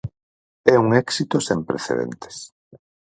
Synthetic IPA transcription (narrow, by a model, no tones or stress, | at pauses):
ɛuŋɛksit̪osempɾḛθḛðḛnt̪e̥s